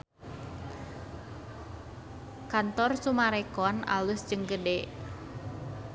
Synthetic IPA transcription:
kant̪ɔrsumaɾɛkɔna̰lusd͡ʒəŋɡədɛ

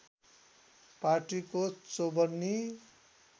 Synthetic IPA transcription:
parʈikot͡sobʌrni

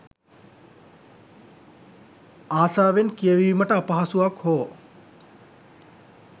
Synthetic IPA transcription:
aːsaːʋenkijəʋiʋiməʈəapɐɦasuʋakhoː

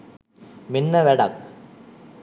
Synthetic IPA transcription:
mɪnːɐʋɛɽɐk̚

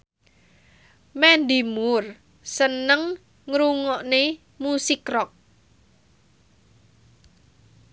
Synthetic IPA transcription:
mɛnd̪imʊr | sənəŋ | ŋɾuŋɔʔne | musikrɔk̚

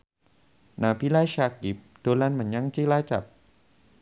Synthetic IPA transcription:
naːpʰilaːjʃaːkip̚t̪ulanmanjaŋt͡ɕiːlaːjt͡ɕa̰p̚

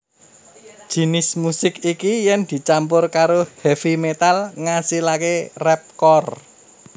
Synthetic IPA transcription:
d̥ʒ̥i̤nɪsmusɪkikijɛnd̪̥i̤t͡ʃampʊrkaɾohɛfimet̪alŋasilakerɛp̚kɔr

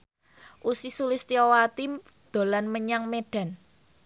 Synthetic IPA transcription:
ʔusisulɪst̪iowat̪i | d̪̥o̤lanməɲaŋmeɖ̥ä̤n

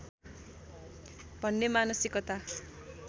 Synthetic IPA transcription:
bʱʌnːemanʌsikʌt̪a

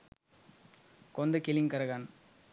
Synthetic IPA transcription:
kɔnd̪ɐkɪlɪŋkɐɾɐɣan

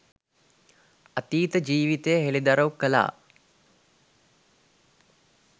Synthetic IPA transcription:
at̪iːt̪əd͡ʒiːʋit̪ejəɦelid̪aɾəwukːəla̰ː

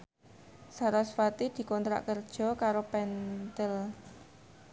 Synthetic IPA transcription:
saɾasfat̪id̪̥i̤kɔnt̪ɾa̰ʔkərd̥ʒ̥ɔ̤kaɾopɛnt̪əl

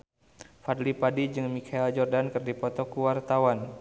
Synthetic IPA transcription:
fadlipadid͡ʒɨŋmikʰaild͡ʒɔrdankɨrdipɔt̪ɔkuwart̪awan

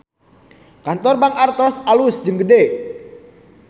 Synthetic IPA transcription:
kant̪ɔrbaŋart̪ɔsalusd͡ʒəŋɡəde

